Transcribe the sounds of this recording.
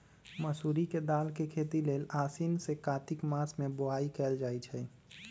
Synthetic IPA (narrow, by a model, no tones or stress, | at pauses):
məsuɾiked̪aːlkekʰet̪ileːlaːsinsekaːt̪ɪkmasmẽboɦaikɛld͡ʒaːjt͡ʃʰɛ